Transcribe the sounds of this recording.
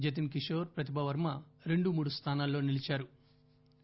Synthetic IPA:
d͡ʒɐt̪̬imk̬iʂoːɾpɾɐt̪̬ibʱɐʋɐɾmɐɾe̞ɳɖumuːɽust̪ʰaːnaːlːo̞ːnilit͡ʃaːɾu

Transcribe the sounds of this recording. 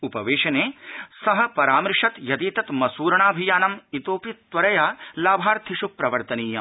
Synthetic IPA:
upɐʋeːʃɐneːsɐɦɐ̆pɐɾaːmɾʂɐt̪jɐd̪iːt̪ɐt̪mɐsuːɾɐɳaːbʱijaːnɐmit̪oːpit̪ːʋɐɾɐjaːlaːbʱaːɾt̪ʰiʃupːɾɐʋɐɾt̪ɐniːjɐ

